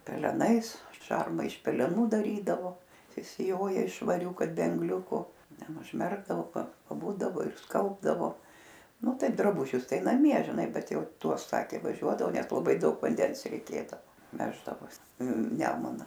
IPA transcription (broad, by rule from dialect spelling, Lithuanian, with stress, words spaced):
pʲɛlʲɛˈnɐɪs ˈʃɐrmɐ ɪʃ pʲɛlʲɛˈnuː dɐˈrʲiːdɐʋoː sʲɪsʲɪˈjoːjɛ ɪʃ ʃʋɐˈrʲuː ˈkɐt bʲɛ ɐŋˈɡlʲʊkʊ ˈtʲɛn ʊʒʲˈmʲɛrɡdɐʋoː pɐ pɐˈbuːdɐʋoː ɪr ˈskɐlˠbdɐʋoː ˈnʊ ˈtɐɪp drɐˈbʊʒʲʊs ˈtɐɪ nɐˈmʲiɛ ʒʲɪˈnɐɪ ˈbʲɛt ˈjɛʊ ˈtuɔs ˈsɑːkʲeː ʋɐˈʒʲuɔdɐʋoː ˈnʲɛs lˠɐˈbɐɪ ˈdɐʊk ʋɐnʲˈdʲɛns rʲɛɪˈkʲeːdɐʋoː ˈʋʲæːʒdɐʋoːs ˈnʲæːmʊnɐ